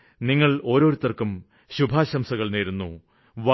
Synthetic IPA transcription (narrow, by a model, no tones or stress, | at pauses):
niŋːɐɭo̞ːɾo̞ːɾut̪ːɐrkum | ɕubʱaːɕɐmsɐɣɐɭneːɾunːu | ʋa